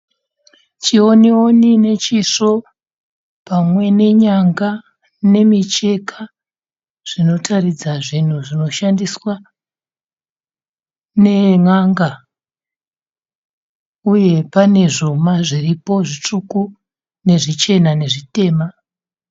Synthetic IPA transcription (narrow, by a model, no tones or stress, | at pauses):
t͡ʃio̞neonine̞t͡ʃiʂo̞ | pamwe̞ne̞ɲaŋɡa | ne̞mit͡ʃe̞kʰa | ʐ̥ino̞tʰarid͡zaʐin̤uʐino̞ʃandiswa | ne̞ŋaŋɡa | uje̞pane̞ʐo̞maʐiripo̞ʐit͡ʂuku | ne̞ʐit͡ʃe̞nane̞ʐite̞ːma